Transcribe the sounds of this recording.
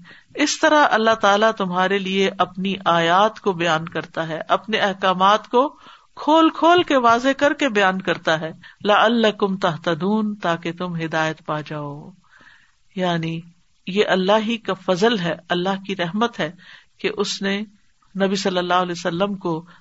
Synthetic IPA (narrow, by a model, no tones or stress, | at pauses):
ɪst̪ɐɾaɐlːaɦt̪aːlat̪ʊmɦaːɾelieʔɐpniʔaːjaːt̪kobɐjaːnkɐɾt̪aɦɛːʔɐpneɐɦkaːmaːt̪ko | kʰoːlkʰoːlkeʋaːzekɐɾkebɐjaːnkɐɾt̪aɦɛːlɐɐlːɐkʊmt̪ɐɦt̪ɐd̪uːnt̪aːket̪ʊmɦɪd̪aːjət̪paːd͡ʒaːoː | jaːni | jeʔɐlːaɦikafɐzəlɦɛɐlːaɦkiɾɐɦmət̪ɦɛːkeʔʊsne | nɐbisɐlːəlːaːɦʊlɛsɐlːəmko